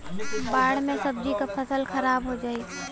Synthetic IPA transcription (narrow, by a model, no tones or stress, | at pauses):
baːɽ̤mẽsəbd͡ʒikapʰəsəlxʰəɾaːbɦod͡ʒaːi